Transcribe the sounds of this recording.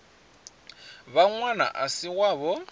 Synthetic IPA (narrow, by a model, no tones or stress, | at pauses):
βaŋwana̰ʔasiɣwaβɔ